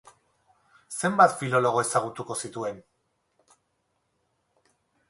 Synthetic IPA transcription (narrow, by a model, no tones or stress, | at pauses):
se̞mbat̪filo̞lo̞ɣ̞o̞e̞saɣ̞ut̪uko̞sit̪ue̞n